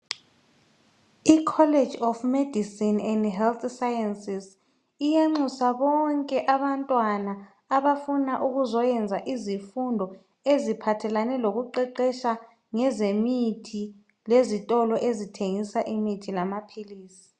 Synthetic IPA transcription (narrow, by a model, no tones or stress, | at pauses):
ikʰɔled̥d͡ʒɔfmedʱisinɛndɦɛlt̪sajɛnsis | ijaŋ͡ǀʱusaβɔŋkʼɛʔaβantʼwanaː | βafunaʔuɣuzɔjɛnd͡zʱaʔizifundʱɔ | ezipʰatʰɛlanɛloɣuǃɛǃɛʃa | ŋɛzemitʰi | lezitʼɔlɔʔezitʰeŋisaʔimitʰilamapʰiliːsi̥